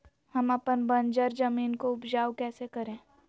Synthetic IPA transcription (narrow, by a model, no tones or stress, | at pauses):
hɐmɐpənbɐ̃nd͡ʒəɾzɐmiːnkoʊpd͡ʒaːwkɛːsekɐɾẽː